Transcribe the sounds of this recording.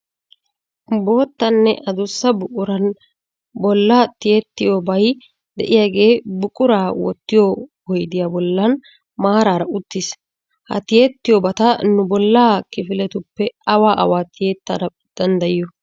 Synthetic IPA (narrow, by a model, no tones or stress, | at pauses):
bo̞ːt̪ːɐnːɛʔɐd̪ʊsːɐbʊʔʼʊɾɐn | bɔlːɐt̪ɪjet̪ːɪjoːbɐj | d̪ɛ̰ʔɪjaːɡe̞ːbʊkʼʊɾaːwɔ̰t̪ːɪjɔhɔjd̪ɪjaːbɔlːɐn | maːɾaːɾɐʔʊt̪ːɪs | hɐ̰t̪ɪjet̪ːɪjɔbɐt̪ɐnʊbɔlːaːkɪfɪlɛt̪ʊpːɛɐwaːʔɐ̰waːt̪ɪjeːt̪ːɐɾɐ | d̪̥ɐnd̪ɐjɪjɔ